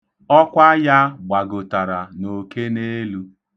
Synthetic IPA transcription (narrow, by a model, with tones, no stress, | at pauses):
ɔ˦kʷa˦ja˦ɡ͡ba˨ɡʊ˨ta˨ɾa˨no˨ke˦ne˦lu˦